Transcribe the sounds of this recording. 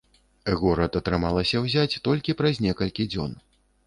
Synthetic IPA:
ɣɔɾɐt̪ɐt̪ɾɨmalˠɐsʲɐwzʲat͡sʲt̪ɔlʲkʲipɾɐzʲnʲɛkɐlʲkʲid͡zʲɔ̰n

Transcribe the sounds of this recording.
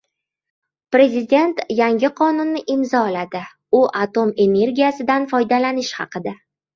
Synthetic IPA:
pɾe̞zʲɪd̪ʲe̞nt̪jaŋɡʲɪqʰɒnʊnːɪʔɪmzɒlad̪ɪ | ʊʔat̪o̞me̞ne̞ɾɡʲijasɪd̪anfɒjd̪alanɪʃhɑ̰qɨd̪a

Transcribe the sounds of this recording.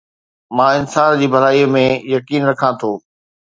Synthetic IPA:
mãːɪnsaːnd͡ʑiːbʱɐɾaːiːmẽjɐkiːnɾɐkʰãt̪ʰoː

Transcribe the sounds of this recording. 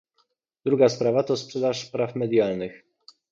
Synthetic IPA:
d̪ɾuɡaspɾavat̪ɔspʂɛd̪aʂpɾafmɛd̪jalnɘx

